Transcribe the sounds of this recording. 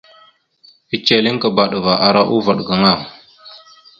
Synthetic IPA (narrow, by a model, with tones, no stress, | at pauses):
pi˨t͡ʃe˨li˦ŋkə˨ba˨ɗə˨va˨ʔa˨ɾa˦ʔu˦va˨ɗɡə˨ŋa˦˨